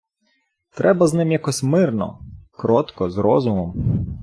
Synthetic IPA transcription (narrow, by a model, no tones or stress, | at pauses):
t̪ɾɛbɐznɪmjakɔsʲmɪrnɔ̰kɾɔt̪kɔzɾɔzʊmɔm